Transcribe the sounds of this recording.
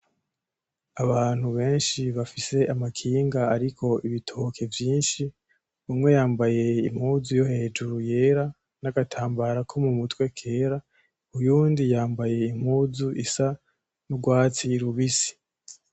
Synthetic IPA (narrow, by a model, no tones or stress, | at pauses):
aβaːn̥huβe̞ːnʃiβafise̞ʔamakʰiːŋɡaːɾikʰo̞iβitʰookʰe̞vjiːnʃi | umŋwe̞jaːmbaje̞im̥huːzujo̞he̞ːd͡ʒuɾuje̞ːɾa | naɡatʰaːmbaɾakʰo̞mumutwe̞kʰe̞ːɾa | ujuːndijaːmbaje̞im̥huːzuʔisa | nuɡwaːt͡siɾuβisi̥